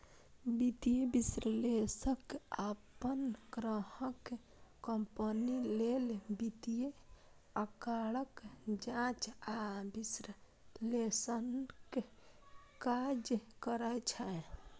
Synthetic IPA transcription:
bit̪ijebisɾəlesəkːapənɡɾəhəke | kəmpənilelbit̪ije | əkaɽəkd͡ʒãt͡ʃabisɾə | lesənke | kad͡ʒkəɾət͡ʃʰɛ

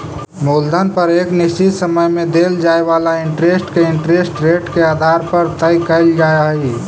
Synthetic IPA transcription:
moːld̪ʱənpəɾeːknɪst͡ʃɪt̪səməjmẽd̪eːld͡ʒaːeʋaːlaɪɳʈɾeːsʈkeɪ̃ɳʈɾesʈɾeːʈkeaːd̪ʱaːɾpəɾt̪əjkəɪld͡ʒaːjaɦi

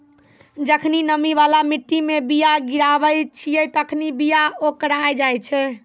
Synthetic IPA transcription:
d͡ʒəkʰninəmiβalamiʈːimebijaɡiɾabəjt͡ʃʰijɛt̪əkʰnibijaokɾajd͡ʒajt͡ʃʰɛ

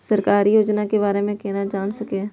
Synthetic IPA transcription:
səɾkaːɾijoːd͡ʒnakebaːɾemẽkeːnad͡ʒaːnsəkẽː

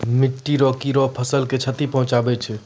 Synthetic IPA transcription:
miʈːiɾɔkiɾɔpʰəsəlket͡ʃʰət̪ipəɦũt͡ʃabɛt͡ʃʰɛ

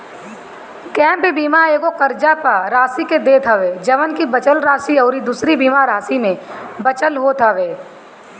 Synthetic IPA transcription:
kɛ̃ːmpebiːmaeːɡokəɾd͡ʒapaɾaːsiked̪eːt̪ʰaʋeːd͡ʒɐʋənkibət͡ʃəlɾaːsiɔːɾid̪uːsɾibiːmaɾaːsimẽbət͡ʃəlɦoːt̪ʰaʋeː

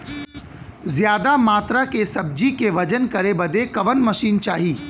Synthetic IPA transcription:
zjaːd̪amaːt̪ɾakesɐb̚d͡ʒikeʋɐd͡ʒənkɐɾebɐd̪ekɐʋənmɐʃiːnt͡ʃaːɦiː

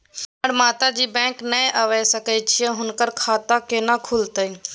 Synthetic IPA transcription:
əɽmaːt̪ad͡ʒiːbɛ̃ːknəẽʔəʋɛsɐkɛt͡ʃʰiɛ̃ɦʊnkəɾkʰaːt̪akeːnakʰʊlt̪əi

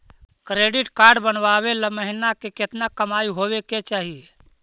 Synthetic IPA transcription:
kɾeɖiʈkaɾɖbənʋaβeləməɦinakeket̪nakəmaiɦobeket͡ʃaɦie

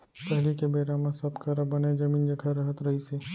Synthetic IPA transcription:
pɛɦlikebeːɾamãsɐbkɐɾabɐned͡ʒɐmĩːnd͡ʒɐɡʱaɾɐɦət̪ɾɐɦise

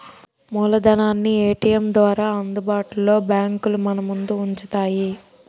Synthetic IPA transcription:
muːlɐd̪ɐnaːnːieːʈijɐmd̪ʋaːɾaːɐnd̪ubaːʈulːo̞ːbjaːŋkulumɐnɐmund̪uːɲt͡ʃut̪aːji

